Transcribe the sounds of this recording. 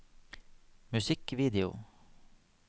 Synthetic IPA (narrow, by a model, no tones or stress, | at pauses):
mʉsɪkʋiːd̪ɪʊ̰